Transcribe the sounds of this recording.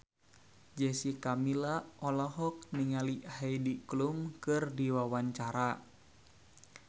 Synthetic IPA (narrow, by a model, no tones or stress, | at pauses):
d͡ʒɛsikamilaʔɔlɔɦɔk̚niŋalihajdiklumkɨrdiwawaɲt͡ʃaɾa